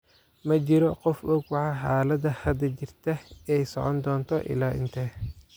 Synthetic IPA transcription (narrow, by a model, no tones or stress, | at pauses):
mɐt͡ʃɪɾɔqɔfʔɔɡwɑʕɑħaːlɐdɐhɐd̪ɐt͡ʃɪrt̪ʰɐɛjsɔ̰ʕɔ̰nd̪ɔːnt̪ʰɔʔɪ̰laːɪ̰nt̪ʰɛ